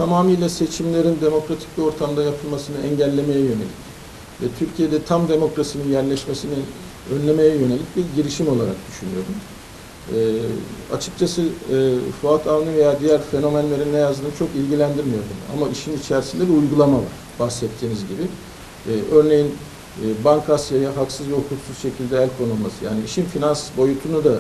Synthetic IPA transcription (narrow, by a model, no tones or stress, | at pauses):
t̪ʰamaːmijlʲˠase̞t͡ʃʰimlʲe̞ɾind̪e̞mo̞kɾat̪ʰi̥cbio̞ɾt̪ʰamd̪ajapʰɯlˠmasɯnɯɛɲɟælʲːe̞me̞jɛjø̞ne̞lʲic | vɛt̪ʰyɾcʰijed̪ɛt̪ʰamd̪e̞mo̞kɾasininjæɾlʲɛʃme̞sini | ønlʲe̞me̞jɛjø̞ne̞lʲic̚biɾɟiɾiʃimo̞lˠaɾa̰k̚d̪̥yʃynyjo̞ɾumː | a̰t͡ʃʰɯ̥k̚t͡ʃʰasɯ | fuat̪ʰavnive̞jaːd̪ijæɾfe̞no̞mænlʲe̞ɾinːejazd̪ɯːnɯt͡ʃʰo̞kilʲɟilʲænd̪iɾmijoɾd̪un̰a̰maiʃinit͡ʃʰæɾsind̪ɛbiujɡulˠamava̰ɾ̥bahsɛt̪ʰːiːnizɟibiː | ʔø̞ɾne̞jinː | baŋkʰasjajaɦaksɯzjo̞kk̪uksuzʃe̞cʰilʲd̪ɛælʲkʰo̞nulˠmasɯja̰ːniiʃinfinansbo̞jut̪ʰunud̪a